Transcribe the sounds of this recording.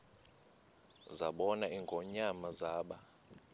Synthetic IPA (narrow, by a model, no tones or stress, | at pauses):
zaɓɔnaiŋɡʱɔɲamazaːɓa